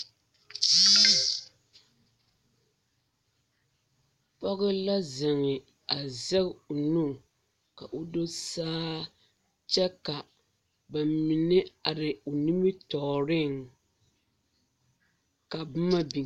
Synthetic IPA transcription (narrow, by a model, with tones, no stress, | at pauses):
pɔ˦ɣɪ˦la˦zɪ˨ŋɪ˨ | a˨zɛ˦ɣo˨nu˦˨ŋ˨ | ka˨ʔo˦do˦saː˦ | t͡ʃɛ˦ka˨ | ba˨mi˨nɪ˦a˨ɾɪ˨o˨ni˦mɨ˦tɔ˨ɾɪ˦ŋ | ka˨b̩˦ma˦bi˨